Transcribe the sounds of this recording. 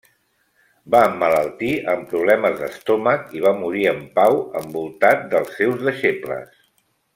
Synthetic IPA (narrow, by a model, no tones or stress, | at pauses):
baəmːələlˠt̪iəmpɾuβ̞lɛməzðəst̪ɔməkiβ̞amuɾiəmpawəmbulˠt̪at̪̚d̪əlˠsːewzðəʃeplə̰s